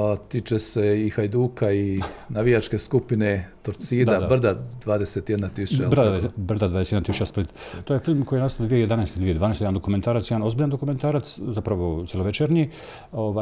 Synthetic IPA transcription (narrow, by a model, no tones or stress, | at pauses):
t̪iːt͡ʃeseixajd̪uːkainaʋijat͡ʃkeskupinet̪oɾsiːd̪ad̪abr̩d̪ad̪ʋaːd̪eset̪jed̪nat̪isut͡ʃad̪br̩d̪ad̪ʋad̪eejenat̪isut͡ʃasplit̪t̪ojefilˠmkoijenasod̪ʋijeje̞d̪anɛːst̪id̪ije̞d̪aːnest̪jand̪okument̪aːɾat̪jd̪ano̞zbiːʎand̪o̞kume̞nt̪aːɾat̪szapɾaʋo̞t̪sjeloʋet͡ʃeɾɲi | oʋa